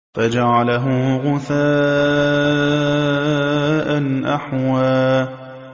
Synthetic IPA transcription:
fad͡ʒaʕalaɦʊɣʊθaː | ʔanʔaħwaː

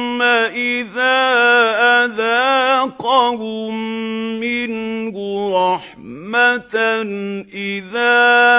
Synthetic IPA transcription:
aʔɪðaːʔaðaːqɑlu | mɪnhʊɾˤɑħ | mat̪nʔɪðaː

